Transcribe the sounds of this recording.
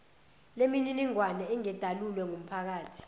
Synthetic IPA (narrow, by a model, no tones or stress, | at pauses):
lemininiŋwanɛɛŋɛd̥ʱalulwɛŋum̩pʰak̬aːtʰi̥